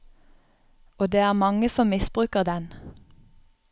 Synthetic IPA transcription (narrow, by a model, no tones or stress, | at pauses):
oːd̪eːæːʁmɑŋəsɔmɪsb̥ʁʉːkəʁd̪ɛn